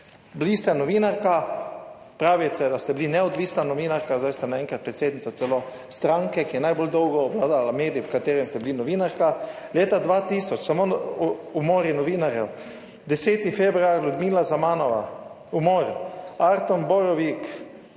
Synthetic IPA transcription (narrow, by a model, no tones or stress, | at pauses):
blist̪ɛnɔʋiːnaɾka | pɾaːʋijt̪ɛd̪ast̪ɛblinɛɔd̪ʋiːsnanɔʋiːnaɾkazd̪ajst̪ɛnaɛŋkɾat̪̚pɾɛt̪seːd̪nit̪at̪sɛlo | st̪ɾãŋkɛkijɛnajbold̪ɔwɡɔːblaːd̪alameːd̪ijiwkat̪eːɾɛmst̪ɛblinɔʋiːnaɾka | leːt̪ad̪ʋat̪iːsɔt͡ʃsamoumoːɾjinɔʋiːnaɾjɛw | d̪ɛseːt̪ifɛbɾuaɾlʲud̪miːlazamaːnɔʋa̰ | umoːɾaɾt̪unbɔɾɔʋik